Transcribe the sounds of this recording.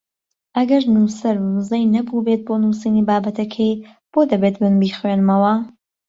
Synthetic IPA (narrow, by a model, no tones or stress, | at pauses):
ʔɐɡɐɾnuːsɐɾnuzɐjnɐbubet̪̚bonuːsiniːbaːbɐt̪ʰɐkʰɐj | b̥od̪ɐbeːt̪̚bɨnbiːxwenmɐwɐ